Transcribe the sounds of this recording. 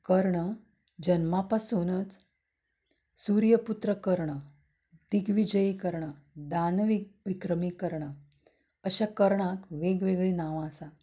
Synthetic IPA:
kəɾɳə | d͡ʑənmapasunt͡s | suɾjəput̪ɾəkəɾɳə | d̪iɡʋid͡ʑəjikəɾɳə | d̪anʋiʋikɾəmikəɾɳə | əɕakəɾɳakʋeɡʋeɡɭiːnaʋaːsa

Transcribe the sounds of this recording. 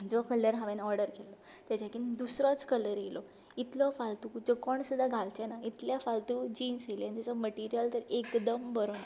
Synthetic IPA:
d͡zɔkələɾɦãʋɛnɔɾɖəɾkʰelːɔ | t̪jat͡ɕakind̪usɾɔt͡skələɾjelɔ | it̪lɔfalt̪ud͡zɔkɔɳsud̪ʱːaɡʱalt͡ɕanait̪ljafalt̪uːd͡ʑiːnseljanasaməʈiɾijəlt̪əɾekd̪əmbəɾona

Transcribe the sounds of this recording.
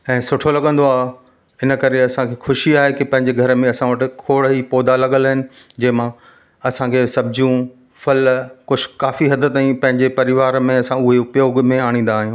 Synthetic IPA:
ɛ̃ːsʊʈʰolɐɠə̃n̆d̪oaːɦe | ɪnəkɐɾeɐsãkʰexʊʃiaːɦekipɐ̃ɦɪ̃ɲd͡ʑeɡʱɐɾmẽɐsãʋəʈɪkʰoːɽɦipɔːd̪alɐɠəlaɦɪnɪ̆ | d͡ʑɐ̃ːɪmã | ɐsãkʰesɐb̚d͡ʑũ | fɐlkʊd͡ʑʰʱkaːfiɦɐd̪ət̪aĩpɐ̃ɦɪ̃ɲd͡ʑepɐɾɪʋaːɾmẽɐsãʊɦepjoːɡmẽaːɽ̃ĩːn̆d̪aːɦijũː

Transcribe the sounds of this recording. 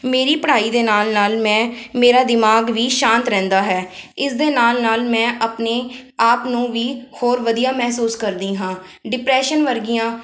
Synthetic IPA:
meːɾiːpəɽaːiːd̪eːnaːlnaːlmɛ̃ːmeːɾaːd̪ɪmaːɡʋiːʃãːnt̪ɾɛ̃ːnd̪aːɦɛːɪsd̪eːnaːlnaːlmɛ̃ːʔəpneːaːpnũːʋiːhoːɾʋəd̪ijaːmɛɦsuːskəɾd̪iːɦãː | ɖɪpɾɛːʃənʋəɾɡɪjãː

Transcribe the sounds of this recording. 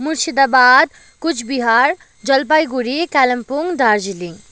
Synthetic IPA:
muɾsid̪abaːd̪̚ | kut͡ʃʰbiɦaɾ | d͡ʒɐlp̬ajɡuɾikɛlɐmpuŋd̪aɾd͡ʒiliŋ

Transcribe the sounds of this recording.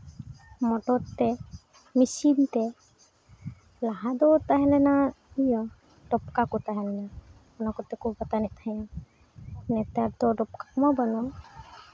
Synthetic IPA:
mɔʈɔɾt̪ːɛ | misint̪ɛ | laɦad̪ɔt̪aɦɛlɛna | ijɔ | ɖɔp̚kakɔt̪aɦɛnɛna | ɔnɔkɔt̪ɛkʰubbat̪anɛt̪ʰaja | nɛt̪aɾd̪ɔɖɔp̚kakɔmabanɔa

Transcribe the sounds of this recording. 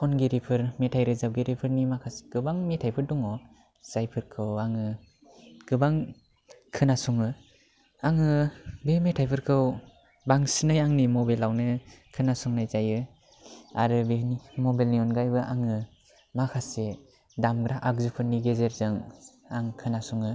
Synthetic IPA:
ɔnɡeɾipʰɯɾmetʰajɾɯzap̚ɡeɾipʰɯɾnimakʰasɡ̥ɯbaŋmetʰajpʰɯɾdɔŋɔ | z̥ajpʰɯɾkʰɯwaŋɯ | ɡ̥ɯbaŋ | kʰɯnasɔŋɯ | aŋɯbemetʰajpʰɯɾkʰɯw | baŋsinɯjaŋnimɔbelawnɯkʰɯnasɔŋnajzajɯ | aɾɯbenimɔbelnijɔnɡajbɯʔaŋɯ | makʰase | damɡɾaʔak̚zɯpʰɯɾniɡezeɾzɯŋ | aŋkʰɯnasɔŋɯ

